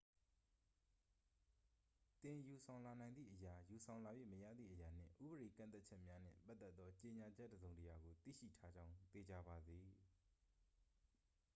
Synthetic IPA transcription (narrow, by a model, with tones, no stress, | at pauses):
t̪ɪ̃˨ju˨sʰã˨ʊ̃la˨nã˨ɪnd̪ðḭ˦˨ʔəja˨ju˨sʰã˨ʊ̃la˨jwḛ˦˨məjä̰˦˨d̪ðḭ˦˨ʔəja˨n̥ɪ̰̃˦˨ʔṵ˦˨bəɾe˨kã̰˦˨nt̪a˦t̚t͡ɕʰɛ˦ʔmja˦n̥ɪ̰̃˦˨pa˦t̪ːɛ˦t̪ːɔ˦t͡ɕe˨ɲa˨d͡ʑɛ˦ʔdəzõ˨ʊ̃ntəja˨ɡo˨t̪ḭ˦˨ʃḭ˦˨tʰa˦d͡ʑã˦ʊ̃t̪e˨d͡ʑa˨ba˨d̪i˨